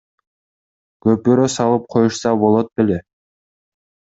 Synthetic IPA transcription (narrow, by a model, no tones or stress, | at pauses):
ɡ̥øp̚byɾøsɑlˠɯp̚qʰo̞juʃsɑbo̞lˠot̪̚belʲe